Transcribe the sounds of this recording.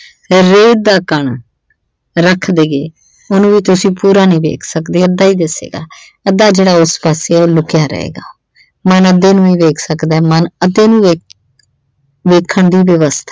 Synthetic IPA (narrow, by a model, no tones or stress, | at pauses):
ɾeːd̪aːkəɳ | ɾəkʰd̪eːɡeː | ʊnũːʋiːt̪ʊsĩːpuːɾaːnĩːʋḛːkʰsəkd̪eːəd̪aːiːd̪ɪsḛːɡa̰ː | əd̪ːaːd͡ʒeːɽaːʊspaːseːɛːoːlʊkjaːɾə̰ḛːɡaː | mənəd̪eːnũːiːʋeːkʰsəkd̪aːmənəd̪eːnũːeː | ʋeːkʰəɳd̪iːʋəʋəst̪ʰaː